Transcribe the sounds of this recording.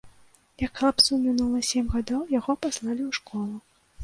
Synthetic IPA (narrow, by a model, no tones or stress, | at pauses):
jakxlˠapsumʲinulˠɐsʲemʲɣad̪ɔwjaɣɔpaslˠalʲiwʂkɔlˠu